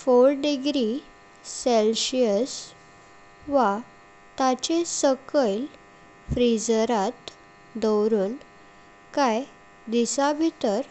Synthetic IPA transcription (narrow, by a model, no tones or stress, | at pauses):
foɾɖiɡɾi | selɕiəs | ʋa | t̪at͡ɕesəkəjl | fɾid͡zɾat̪ | d̪əwɾuːn | kaj | d̪isabʱit̪əɾ